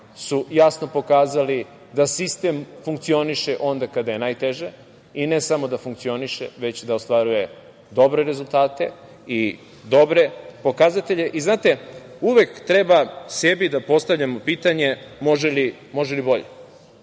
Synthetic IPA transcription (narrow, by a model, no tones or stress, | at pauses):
sujasno̞po̞kaːzali | d̪asist̪e̞mfuŋkt̪sio̞niʃeʔo̞nd̪akad̪aje̞naːjt̪e̞ʒe | ine̞samo̞d̪afuŋk̚t̪sio̞niʃḛʋe̞t͡ɕd̪aost̪ʋaɾuje̞ | d̪o̞bɾe̞ɾe̞zulˠt̪aːt̪e̞ | i | d̪o̞bɾe̞po̞kazat̪e̞ʎe̞ʔiznaːt̪e̞ | uʋe̞kt̪ɾe̞base̞bid̪apo̞st̪aʋʎamo̞pit̪aɲe̞ | mo̞ʒeli | mo̞ʒelibo̞ʎḛ